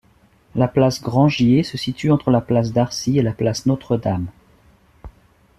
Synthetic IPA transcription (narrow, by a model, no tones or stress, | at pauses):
laplasɡʁɑ̃ʒjesəsit̪yɑ̃t̪χəlaplas̬d̪aʁsielaplasnot̪χəd̪am